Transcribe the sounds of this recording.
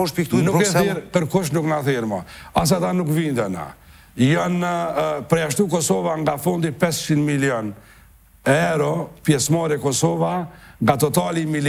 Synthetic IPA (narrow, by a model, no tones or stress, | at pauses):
ɔʃpikt̪unukθɛɾpəɾkuʃ̬nuknaθiɾmɔas̬at̪anukvind̪ɛna̰ | jɔnpɾɛaʃt̪ukɔsɔvaŋɡafɔnd̪ipɛst͡ʃinmilijɔn | ɛɾɔpjɛsmaɾɛkɔsɔvaŋɡat̪ɔt̪alimil